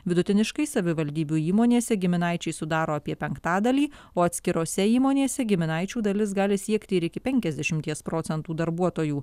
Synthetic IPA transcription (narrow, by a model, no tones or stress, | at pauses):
ʋʲɪd̪ʊt̪ʲɪnʲɪʃkɐɪsɐʋʲɪʋɐlʲd̪ʲiːbʲuːiːmoːnʲeːsʲɛɡʲɪmʲɪnɑɪt͡ʃʲɛɪsʊd̪ɑːɾoːɐpʲiɛpʲɛŋkt̪ɑːd̪ɐlʲiː | oːɐt̪ʲsʲkʲɪɾoːsʲɛiːmoːnʲeːsʲɛɡʲɪmʲɪnɑɪt͡ʃʲuːd̪ɐlʲɪs̬ɡɑːlʲɪsʲiɛkt̪ʲɪɪɾɪkʲɪpʲɛŋʲkʲɛzd̪ʲɛʃʲɪmʲt̪ʲiɛspɾoːt̪sʲɛnt̪uːd̪ɐɾbuɔt̪oːjuː